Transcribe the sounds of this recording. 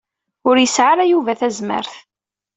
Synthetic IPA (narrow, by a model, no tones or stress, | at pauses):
ʊɾjəsʕaɾæjuvæθæzmə̰ɾθ